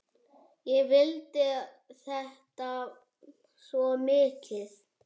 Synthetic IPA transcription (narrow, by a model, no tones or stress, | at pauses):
jɛvɪlt̪ɪ | θɛht̪a | svɔmɪːkɪθ